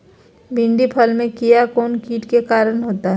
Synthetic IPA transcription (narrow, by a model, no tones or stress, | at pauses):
bɪ̃ɳɖipʰɐlmẽkijakɔːnkiːʈkekaːɾənɦoːt̪aɦɛ